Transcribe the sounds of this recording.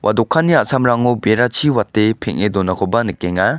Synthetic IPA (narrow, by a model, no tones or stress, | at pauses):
wʔa̰dɔkʰːanːiaʔsamɾaŋubeɾat͡ʃʰiwatːepʰeŋedɔnakʰɔbanɯkeŋa